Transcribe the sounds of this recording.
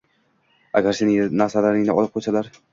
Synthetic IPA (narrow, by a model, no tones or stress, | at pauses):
a̰ɡʲaɾsenɪŋnaɾsalaɾɪŋnɪɒlˠɪp̚qʰojsalaɾ